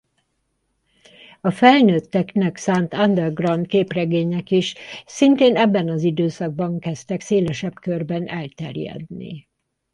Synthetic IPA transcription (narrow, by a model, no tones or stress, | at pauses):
ɒfɛlnøːt̪ːɛknɛksaːnt̪and̪ɛrɡrɒnt̪̚keːprɛɡeːɲɛkiʃsint̪eːnɛbːɛnɒzid̪øːsɒɡ̚bɒŋkɛst̪ɛkseːlɛʃɛbkørbɛnɛlt̪ɛ̰rjɛ̰d̪nḭ